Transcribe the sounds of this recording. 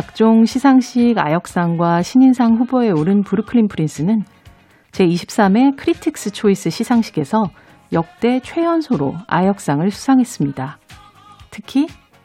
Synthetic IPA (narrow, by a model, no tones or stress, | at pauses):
kak̚t͡ɕ͈oŋɕʰisʰaŋɕ͈ʰiɡa̰jʌk̚s͈aŋɡwaɕʰiɲinsʰaŋɸuboe̞oɾɯnpuɾɯkʰɯɾimpʰɯɾins͈ɯnɯn | t͡ɕe̞iɕʰi̥p̚s͈ame̞kʰɯɾitʰik̚s͈ɯt͡ɕʰois͈ɯɕʰisʰaŋɕʰiɡe̞sʰʌ | jʌk̚t͈e̞t͡ɕʰwe̞jʌnsʰoɾo̰a̰jʌk̚s͈aŋɯɭsʰu̥sʰaŋɦe̞s͈ɯmɲida | tʰɯkʰi